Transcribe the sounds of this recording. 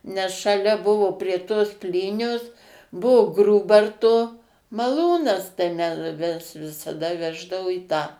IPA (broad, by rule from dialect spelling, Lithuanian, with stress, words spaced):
nʲɛs ʃɐˈlʲɛ ˈbʊʋoː pʲrʲiɛ toːs ˈpʲlʲiːnʲoːs ˈbʊʋoː ˈɡruːbɐrtoː mɐˈlˠuːnɐs tɐɪ ˈmʲɛ mʲɛs ʋʲɪsɐˈdɐ ˈʋʲæːʒdɐʋʊ iː tɑː